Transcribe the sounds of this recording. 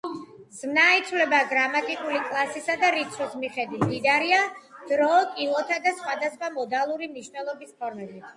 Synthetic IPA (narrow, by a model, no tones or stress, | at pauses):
zmnait̪sʰwlɛbaɡɾamat̪ʼikʼulikʼlˠasisad̪aɾit̪sʰɔsmiχɛd̪it̪ʰd̪id̪aɾiad̪̥ɾɔːkʼilˠɔt̪ʰad̪asχwad̪asχwamɔd̪alˠuɾimniʃvnɛlˠɔbispʰɔɾmɛbit̪ʰ